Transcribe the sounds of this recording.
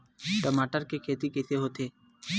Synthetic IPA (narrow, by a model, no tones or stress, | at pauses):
ʈəmaːʈəɾkekʰeːt̪ikɛːseɦoːt̪eː